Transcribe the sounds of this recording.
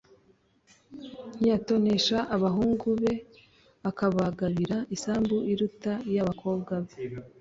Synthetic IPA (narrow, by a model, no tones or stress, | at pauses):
n̥ijato̞ne̞ʃaʔːβaɦuːŋɡuβe̞ | akaβaɡaɾiɾaisaːmbuʔiɾutajaβakʰo̞ːbɡaβe